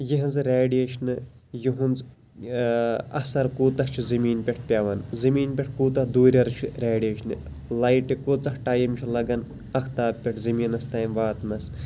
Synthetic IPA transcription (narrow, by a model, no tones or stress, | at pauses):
jiɦɐnzɨɾʲaːɖijeːʃɐnɨ | jiɦunz | ɐsɐɾkuːt̪ɐht͡ʃʰuzɐmiːnpʲeʈʰpʲaʋɐnzɐmiːnpʲeʈʰkuːt̪ɐhd̪uːɾʲɐɾɨt͡ʃʰiɾʲaːɖijeːʃnɨ | lajʈikot͡sɐhʈaːjimt͡ʃʰilɐɡɐn | ɐkʰt̪aːbpːʲeʈʰzɐmiːnɐst̪aːjmʋaːt̪nɐs